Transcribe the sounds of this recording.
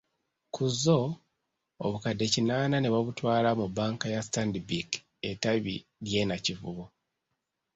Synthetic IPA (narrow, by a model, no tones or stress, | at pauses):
kʰuzo̞ | o̰βukadːe̞cinaːnane̞βaβutwaːlamubaːŋkajastandibik | e̞taβḭɾje̞nacivṵβo